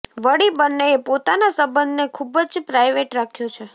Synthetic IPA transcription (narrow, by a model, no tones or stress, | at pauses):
ʋəɽibənːeːpot̪anasəbənd̪nekʰubd͡ʒpɾajʋeʈɾakʰjõt͡ʃʰe